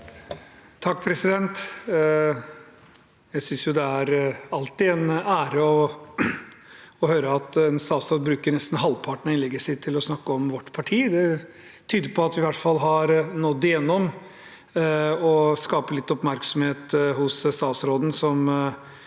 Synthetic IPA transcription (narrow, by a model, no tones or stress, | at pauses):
t̪ʰɑkːpʰɾɛsɪd̪ɛnt̪ | jæɪsʏnsjʊd̪ɛæɾɑlt̪ɪɛnæːɾəɔ | ɔhøːɾəɑt̪ɛnst̪ɑːt̪sɾoːd̪̚bɾʉːkəɾnɛst̪n̩ɦɑlpʰɑʈɳɪnlɛɡəsɪtt̪ʰːɪlɔsnɑkːəɔmʋɔʈːpʰɑʈʰiːd̪ɛ | t̪ʰyːd̪əɾpʰɔɑt̪ʋɪʋæʈːfɑlːɦɑɾnɔd̪ːɛjɛnːɔm | ɔskɑːpəlɪt̪ːɔpmæɾksɔm̩heːt̪hʊsst̪ɑːsɾoːd̪n̩sɔm